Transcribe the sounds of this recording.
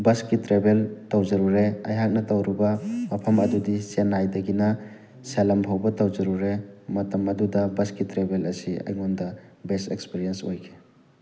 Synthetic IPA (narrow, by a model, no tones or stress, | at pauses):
bɐskitɾebeltɐwzɐɾuɾeɐ̰jɦak̚nɐtɐwɾibɐmɐpʰɐmɐdudisenːajdɐɡinɐ | selɐmpʰɐwbɐtɐwzɐɾuɾemɐtɐmɐdudɐbɐskitɾebelɐsiɐ̰jŋondɐbestekspiɾiensojkʰe̥